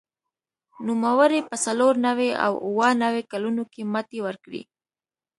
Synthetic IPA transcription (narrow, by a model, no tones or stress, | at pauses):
numawəɾepəsaloɾnawea̰wuwənawekalunokemat̪ewəɾkɽḭ